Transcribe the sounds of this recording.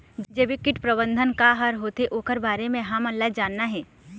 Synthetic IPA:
d͡ʒebikɪʈpɾɐbə̃nd̪ʱənkaɦɐɾɦoːt̪eʔoːkəɾbaːɾemẽɦɐmɐlːad͡ʒaːnːaɦɛː

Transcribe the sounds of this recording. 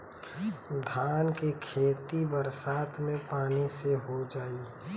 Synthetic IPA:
d̪ʱaːnkekʰeːt̪ibəɾsaːt̪ʰmẽpaːniseɦod͡ʒaːie

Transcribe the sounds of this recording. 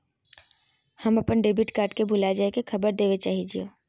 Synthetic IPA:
həmɐpənɖeːbiʈkaːɾʈkebʱʊlad͡ʒaekekʰɐbəɾd̪eːʋet͡ʃaːɦid͡ʒio̰ː

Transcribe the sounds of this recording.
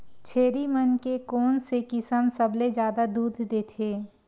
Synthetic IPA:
t͡ʃʰeːɾimənkekɔːnsekɪsəmsɐbled͡ʒjaːd̪ad̪uːd̪ʱd̪eːt̪ʰeː

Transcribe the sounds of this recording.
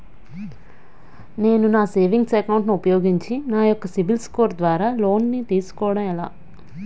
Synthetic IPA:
ne̞ːnunaːseːʋiŋɡsɛkɐwuɳʈniupɐjo̞ːɡiɲt͡ʃinaːjɔkːɐsibilsko̞ːɾd̪ʋaːɾaːlo̞ːnːit̪iːsu̥kɔːɽɐmɛla̰ː

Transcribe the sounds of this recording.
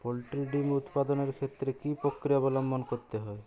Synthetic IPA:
polʈilɖimut̪pad̪ɔneɾkʰet̪ɾekipokɾijɔbɔlɔmbʱɔnkoɾt̪eɦɔe

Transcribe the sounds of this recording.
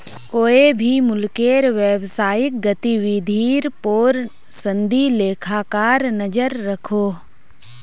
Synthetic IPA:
koːebʱimʊlkeːɾʋeːwsaːjɪk̚ɡɐt̪iwid̪ʱiːɾpoːɾ | sə̃nd̪ʱileːkʰakaːɾnɐd͡ʒəɾːɐkʰoː

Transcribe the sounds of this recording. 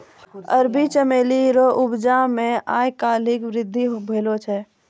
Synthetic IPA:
ə̰ɾbʱit͡ʃəmeːliɾoʔʊbd͡ʒamẽa̰ːjkaːlɪkʋɾɪd̪ʱːibʱeːlot͡ʃʰɛ

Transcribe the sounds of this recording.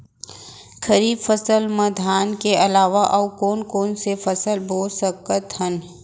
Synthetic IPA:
kʰəɾiːbfəsəlməd̪ʱaːnkeɐlaːʋaʔɐwkoːnkoːnsefɐsəlboːlsəkət̪hən

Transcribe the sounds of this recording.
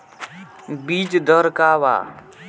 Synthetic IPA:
biːt͡ʃd̪ʱəɾkaːʋa̰ː

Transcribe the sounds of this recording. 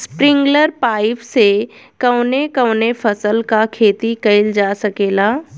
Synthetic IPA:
spɾɪ̃ŋɡləɾpaːɪpsekɐʊnekəʊnefʰɐsəlkakʰeːt̪ikɐɪld͡ʒaːsɐkeːlaː

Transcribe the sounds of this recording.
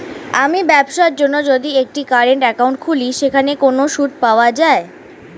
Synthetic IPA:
amibɛbʃaɾd͡ʑonːod͡ʑod̪iek̚ʈikaɾeɳʈɛkauɳʈ̚kʰuliʃekʰanekonoʃuʈ̚paoad͡ʑae

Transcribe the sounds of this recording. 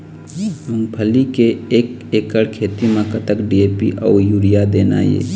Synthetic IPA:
uŋpʰəlikeeːkeːkəɽkʰeːt̪imãkət̪əkɖiepḭʔɔ̰ːjuɽijad̪eːna̰ːjḛː

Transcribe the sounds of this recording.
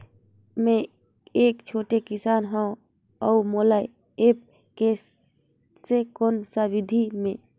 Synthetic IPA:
mẽ | eːkt͡ʃʰoːʈekɪsaːnɦə̃ | əumolaj | eːp̚ | ke | sekoːnsaʋid̪ʱimẽ

